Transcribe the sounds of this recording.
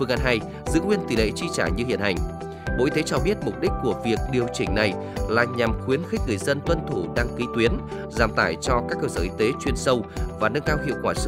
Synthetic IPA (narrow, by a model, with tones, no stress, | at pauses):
fɨ˧ŋʔa˧nɦa˧˩j | zɨ̰˧˥ŋwi˧ənt̪i˨˩lḛ˧˨t͡ɕi˧t͡ɕaː˧˩ɲɨ˧hḭ˧˨ənha˨˩jŋ̟ | mo̰˧˥ʔi˧t̪e˨˦t͡ɕɔ˧ɓi˦˥ət̚mʊ˨˩k͡p̚ɗï˦˥k̟̚ku˧˩əvi˨˩ək̚ɗi˨˩əwt͡ɕï˧˩ŋ̟na˨˩j | laː˨˩ɲa˨˩mxwi˨˦ənxk̟̚ŋɨ˨˩əjzə˧nt̪wə˧nt̪ʰu˧˩ɗaː˧ŋki˨˦t̪wi˨˦ən | zaː˨˩mt̪aː˧˩jt͡ɕɔ˧kaː˦˥k̚ːəː˧səː˧˩ʔi˧t̪e˨˦t͡ɕwi˧˩ənsə˧wvaː˨˩nə˧ŋkaː˧wɦḭ˧əwkwaː˧˩s